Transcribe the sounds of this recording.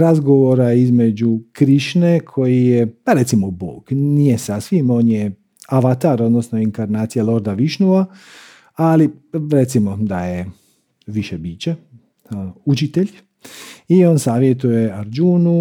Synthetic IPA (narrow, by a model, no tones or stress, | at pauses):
ɾazɡo̞ʋoɾaizme̞d͡ʒukɾiʃne̞kʰo̞jijepaɾet̪simobo̰ːɡ̥nijesasʋimo̞ːnje | aʋat̪aɾo̞d̪nosnoiŋkaɾnaːt̪sijalo̞ɾd̪aʋiʃnuʋa | aliɾet̪simo̞d̪aje | ʋiʃebiːt͡ɕe | ut͡ʃit̪e̞ʎ | io̞ːnsaːʋjet̪uje̞aɾd͡ʒunu